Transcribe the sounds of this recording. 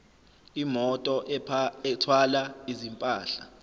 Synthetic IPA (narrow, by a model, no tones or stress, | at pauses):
imɔtʼɔɛtʰwalaizimpʼaːɬa